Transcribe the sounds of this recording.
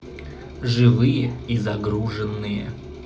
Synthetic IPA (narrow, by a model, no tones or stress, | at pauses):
ʐɨvɨjəizɐɡɾuʐɨnːɨjə̰